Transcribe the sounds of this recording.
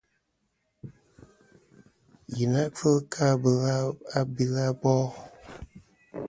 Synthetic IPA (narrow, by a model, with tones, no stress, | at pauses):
ji˨na˦ʔfə˦kʰa˦bə˨la˦a˦bi˦la˦bɔ˦